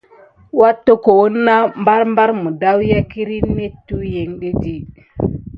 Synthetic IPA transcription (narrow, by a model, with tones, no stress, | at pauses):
wa˦tːo˦ko˨wo˦nːa˦mba˦ɾmba˦ɾmu˨da˦wja˦ki˦ɾi˦nːe˦tːu˦je˨ŋɗe˦di˦